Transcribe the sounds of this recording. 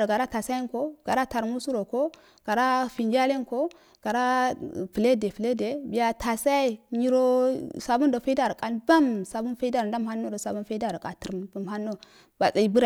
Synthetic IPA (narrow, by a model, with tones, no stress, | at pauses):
ɾo˨ɡa˨ɾa˦ta˨sa˦ji˦nko˦ɡ̥a˨ɾa˦ta˨ɾmu˦su˦ɾo˨ko˦ | ɡ̥a˨ɾa˦fi˨nd͡ʒa˦le˦nko˦ | ɡ̥a˨ɾa˦fi˨le˦de˨fi˨le˦de˨bi˨ja˦tʰa˨sa˦jɲi˦ɾo˦sa˨bu˦ndo˨fe˦da˦ɾkʼa˨nba˦msa˨bu˦nfa˦da˦ɾda˦mha˦nːo˦do˨sa˨bu˦nfe˦da˦˨ɾa˨kʼa˨ti˨ɾmbu˨mha˦nːo˦ | ba˨t͡sa˨i˦bu˦ɾa˨